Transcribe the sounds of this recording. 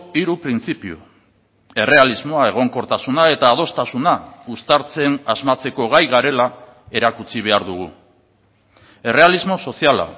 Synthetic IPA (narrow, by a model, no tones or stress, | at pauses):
iɾupɾint͡sipiṵ | e̞re̞alizmo̞ae̞ɣ̞o̞ŋko̞ɾt̪asunae̞t̪aːð̞o̞st̪asunaust̪aɾt͡se̞nazmat͡se̞ko̞ɣajɣaɾe̞la | e̞ɾakut͡siβ̞e̞aɾðuɣ̞u | e̞re̞alizmo̞so̞siala̰